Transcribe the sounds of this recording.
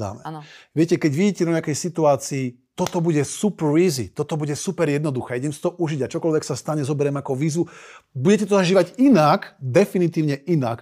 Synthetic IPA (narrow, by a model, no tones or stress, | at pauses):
a̰nɛ̰ʋɪɛcɛkɛɟʋiɟiːcɛd̪ɔɲɪakɛjsit̪uaːt͡siː | t̪ɔt̪ɔbuɟɛsupʋiːzḭt̪ɔt̪ɔbuɟɛsupɛɾjɛd̪nɔd̪uxɛːiɟɛmsi̥t̪ɔʔuʒiɟat͡ʃɔkɔlʋɛksast̪aɲɛzɔbɛɾɛmakɔʋiːzʋubuɟɛcɛt̪̬ɔzaʒiːʋaɟinakd̪ɛfinit̪iːʊɲɛʔinak